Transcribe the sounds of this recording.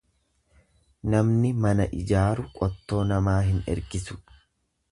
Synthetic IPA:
nɐmnɪmɐnɐʔɪd͡ʒaːɾʊkʼɔt̪ːo̞ːnɐmaːhɪnɛ̰ɾɡɪsʊ̥

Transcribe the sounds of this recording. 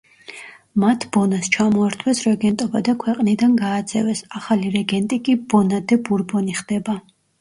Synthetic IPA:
mat̪ʰbɔnast͡ʃʰamɔaɾt̪ʰwɛsɾɛɡɛnt̪ʼɔbad̪akʰwɛqʼnid̪anɡaːt̪sʰɛ̰vɛsaχaliɾɛɡɛnt̪ʼikʼibɔnad̪ɛbuɾbɔniχd̪̥ɛba

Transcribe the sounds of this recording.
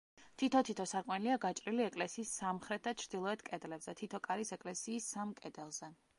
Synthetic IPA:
t̪ʰit̪ʰɔt̪ʰit̪ʰɔsaɾkʼwɛniliaɡat͡ʃʼɾiliɛkʼlɛsiːsːamχɾɛt̪̚ʰd̪at͡ʃʰɾd̪̥ilˠɔɛt̪ʰkʼɛd̪lɛbzɛt̪ʰit̪ʰɔkʼaɾisɛkʼlɛsiːsamkʼɛd̪ɛlˠzɛ

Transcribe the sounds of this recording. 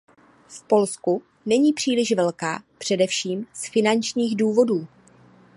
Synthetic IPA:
fpo̞lsku | nɛɲiːpr̝̥iːlɪʃvɛlka̰ːpr̝̥ɛdɛfʃiːmsfɪnant͡ʃɲiːɣduːvo̞duː

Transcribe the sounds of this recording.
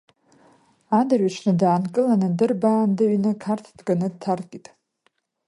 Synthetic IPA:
adarɥaʂnɨdaːnkʼɨlanɨdɨrbaːndɨɥinɨkʰartʰd̥kʼanɨdtʰarkʼitʼ

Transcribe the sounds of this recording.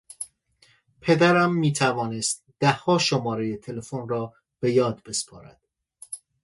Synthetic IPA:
pʰe̞d̪æɾæmːiːt̪ʰævɒːnest̪̚d̪̥æhːɒːʃomɒːɾe̞jet̪ʰe̞le̞fonrɒː | b̥e̞jɒːd̪̚be̞spʰɒːɾæ̰d̪̥

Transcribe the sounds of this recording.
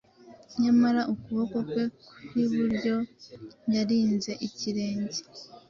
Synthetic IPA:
ɲamaɾaʔukuβo̞ko̞kwe̞wiβuɾɟo̞ | jaɾiːnze̞ʔiciɾe̞ːɲzi

